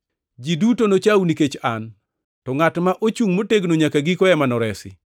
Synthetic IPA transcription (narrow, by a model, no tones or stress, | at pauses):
d͡ʒidutonot͡ʃawniket͡ʃan | tɔŋatmaʔot͡ʃuŋmoteɡnoɲakaɡikɔɛmanɔɾɛsɪ̰